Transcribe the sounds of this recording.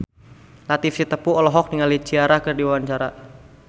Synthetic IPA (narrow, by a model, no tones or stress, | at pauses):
lat̪ifsit̪əpuɔlɔɦɔk̚diŋalit͡ʃiaɾakɨrdiwaɲt͡ʃaɾa